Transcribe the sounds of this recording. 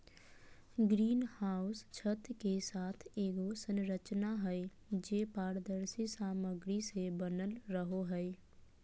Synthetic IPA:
ɡɾiːnhaːʊst͡ʃʰət̪kesaːt̪ʰeːɡosə̃nɾət͡ʃnaɦɛɪ | d͡ʒeːpaːɾd̪əɾsisaːməɡɾisebənəlɾəɦoɦɛɪ

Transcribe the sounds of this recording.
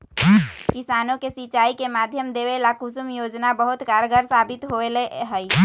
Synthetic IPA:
kɪsaːnõkesit͡ʃaːikemaːd̪ʱjəmd̪eːʋelakʊsʊmjoːd͡ʒnabəɦʊt̪kaːɾɡəɾsaːbɪt̪ɦoeleɦɛi

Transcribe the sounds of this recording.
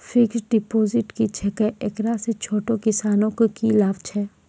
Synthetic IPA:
fɪksɖɪpoːzɪʈkit͡ʃʰɛkəʔeːkɾaset͡ʃʰoːʈokɪsaːnõkokilaːʋt͡ʃʰɛː

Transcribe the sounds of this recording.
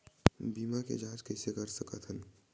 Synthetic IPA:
biːmakḛd͡ʒãːd͡ʒkɛːsekɐɾsəkət̪ʰɦən

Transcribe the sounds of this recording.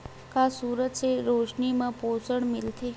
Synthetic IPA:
kasuːɾət̪seɾoːʃnimãpoːsəɽmɪlt̪ʰeː

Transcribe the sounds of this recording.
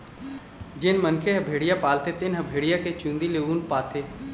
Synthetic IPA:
d͡ʒɪnmənkʰeɦɐbʱeːɽijapaːlt̪et̪ɪnɦəbʱeːɽijaket͡ʃũːnd̪ileuːnpaːt̪ʰeː

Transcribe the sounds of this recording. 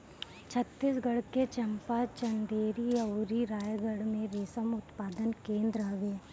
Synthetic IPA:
t͡ʃʰət̪ːisɡəɽket͡ʃɐmpat͡ʃɐnd̪eːɾiɐwɾiɾaːjɡəɽmẽɾeːsəmʊt̪paːd̪ənkẽːnd̪ɾaʋeː

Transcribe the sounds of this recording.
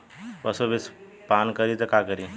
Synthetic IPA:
pɐsobis | pankəɾit̪ɐkakəɾi

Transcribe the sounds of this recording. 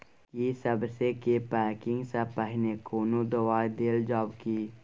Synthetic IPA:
jisəbsekepɛːkɪ̃ŋɡsapəɦnekoːnud̪əwaːid̪eːld͡ʒɔːbkiː

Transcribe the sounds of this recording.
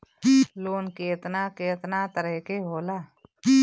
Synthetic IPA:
loːnkeːt̪nakeːt̪nat̪əɾəkeɦoːlaː

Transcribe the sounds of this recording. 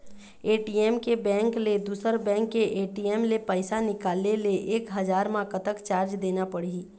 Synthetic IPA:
eːʈijɛːmkebɛ̃ːŋkled̪uːsəɾbɛ̃ːŋkːeʔeːʈijeːmlepəɪsanɪkaːlneleʔeːkɦɐd͡ʒaːɾmãkət̪əkt͡ʃaːɾd͡ʒd̪eːnapɐɽii

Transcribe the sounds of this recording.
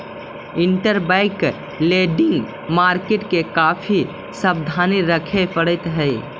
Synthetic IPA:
iɳʈəɾbaɪk | leɖɪŋɡ | maɾkeʈkekapʰi | səbd̪ʱaniɾəkʰepəɽət̪ɦəj

